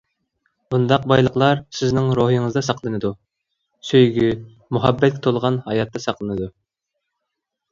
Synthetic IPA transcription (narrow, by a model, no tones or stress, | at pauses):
b̥und̪ɑqbɑjlˠəqlˠɑɾsɪznɪŋɾoɦiŋɨzd̪ɑsɑqlˠɨnɨd̪u | søjɡʲy | muɦɛbːɛt̪kʲt̪ʰolˠʁɑnhɑjɑt̪ʰːɑsɑqlˠɨnɨd̪u